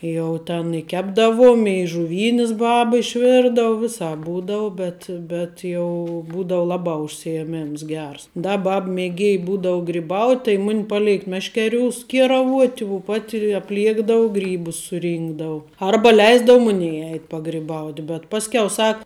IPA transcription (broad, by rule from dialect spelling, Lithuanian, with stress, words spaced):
ˈjɛʊ tʲɛn ɪ ˈkʲæːbdɐʋoːm ɪ ʒʊˈʋʲiːnʲɪs ˈbɐp ɪʃʲˈʋʲɪrdɐʋʊ ˈʋʲɪsɑːp ˈbuːdɐʊ ˈbʲɛt bʲɛt jɛʊ ˈbuːdɐʊ ˈlˠɑːbɑː ʊʃʲsʲɪjɛˈmʲɪms ˈɡʲɛrs ˈdɐ ˈbɐp mʲeːˈɡʲeːj ˈbuːdɐʊ ɡrʲɪˈbɐʊtʲ tɐɪ ˈmʊnʲ pɐˈlʲeːk ˈmʲæːʃʲkʲɛˌrʲuːs ˈkʲiɛrɐˌʋuɔtʲ ʊ ˈpɐtʲ ɐpʲˈlʲiɛɡdɐw ˈɡrʲiːbʊs sʊˈrʲiːŋɡdɐʋʊ ˈɐrbɐ ˈlʲɛɪzdɐʋʊ ˈmʊnʲɛj ˈɛɪtʲ pɐɡrʲɪˈbɐʊtʲ bʲɛt ˈpɑːsʲkʲɛʊ ˈsɐk